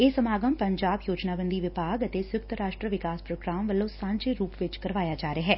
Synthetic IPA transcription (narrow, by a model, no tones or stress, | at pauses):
eːsəmaːɡəmpəɲd͡ʒaːbjoːd͡ʒnaːbə̃nd̪iːʋɪpaːɡət̪esjʊkt̪ɾaːʃʈɾəʋɪkaːspɾoːɡɾaːmʋəlːõːsãːɲd͡ʒeːɾuːpʋɪt͡ʃkəɾʋaːjaːd͡ʒaːɾeaɦɛː